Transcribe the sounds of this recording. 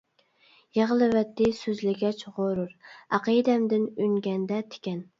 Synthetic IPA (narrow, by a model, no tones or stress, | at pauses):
jeʁəlˠɨvɛt̪ʰːɪsøzlɪɡʲɛt͡ʃʁoɾʊɾɑqəd̪ɛmd̪ɪnyŋɡʲɛnd̪ɛt̪ʰɪ̥kʲɛn